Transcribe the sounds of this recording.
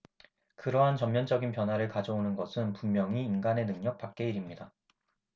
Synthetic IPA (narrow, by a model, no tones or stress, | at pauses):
kɯɾʌɦant͡ɕʌmmjʌnd͡ʑʌɡinpjʌnwaɾɯɭkad͡ʑʌonɯnɡʌsʰɯnpummjʌŋiːnɡane̞nɯŋɲʌk̚p͈ak̚k͈e̞iɾimɲida